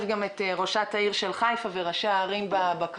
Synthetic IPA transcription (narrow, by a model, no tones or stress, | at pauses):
vɡameteʁoʃataiʁʃelχajfaveʁaʃeaːʁimbabak